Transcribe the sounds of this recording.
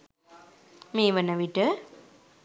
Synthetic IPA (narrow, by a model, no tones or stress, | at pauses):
meːʋɐnːɐʋiʈːɯ